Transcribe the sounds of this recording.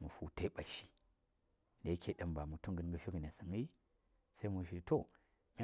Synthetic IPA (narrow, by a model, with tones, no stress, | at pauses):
mu˨fu˨ta˦ɓa˨ʃi˨ | nda˨ji˦kʰʲe˨ɗɐ˦mba˨mu˨tu˦ŋɡə˦n˦ɡə˨ʃi˦ɡə˨n˨a˨sa˨ŋi˦ | sa˦i˦mu˨ʃi˨to˦˨ | mʲ˦a˦